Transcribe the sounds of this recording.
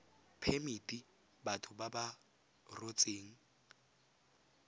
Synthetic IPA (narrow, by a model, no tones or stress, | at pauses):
pʰemitʼi | batʰʊbaba | rot͡sʼeːŋ̩